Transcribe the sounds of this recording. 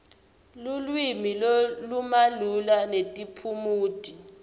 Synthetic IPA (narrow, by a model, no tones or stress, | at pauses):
lulwimilolumalulanetʼipʰumuːd̥ʱi